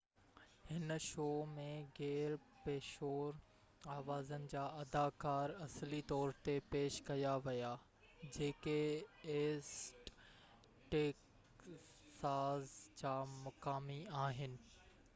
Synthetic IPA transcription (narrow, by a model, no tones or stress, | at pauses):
hɪnʃoːmẽɣɛːɾ | peːʃoːɾ | aːʋaːzənɪ̆d͡ʑaːɐd̪aːkaːɾɐslit̪ɔːɾt̪epeːʃkɐjaʋɐja | d͡ʑeːkeeːsʈ | ʈeːk | saːzt͡ɕaːmʊkaːmiaːɦɪnɪ̆